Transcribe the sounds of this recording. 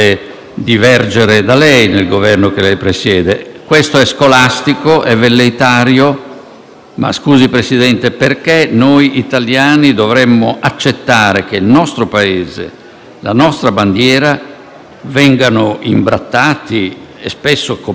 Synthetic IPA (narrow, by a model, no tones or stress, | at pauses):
e | d̪ivɛrd͡ʒeɾed̪alɛjnelɡovɛrnokelɛjpɾesjɛːd̪ekwest̪oɛskolast̪ikoʔɛvːelːejt̪aːɾjo | ma̰skuːzipɾesid̪ɛnt̪eperkenojit̪aljaːnid̪ovɾɛmːoʔat͡ʃːet̪ːaːɾek̟elnɔst̪ɾopaeːzḛ | lanɔst̪ɾaband̪jɛːɾa | vɛŋɡanoimbɾat̪ːaːt̪i | ḛspesːoko